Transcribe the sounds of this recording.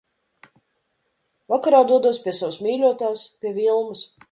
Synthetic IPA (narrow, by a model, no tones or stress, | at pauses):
vakaɾaːd̪uɔd̪uɔspʲiɛsavsmʲiːlʲuɔt̪aːspʲiɛvʲilˠmɨs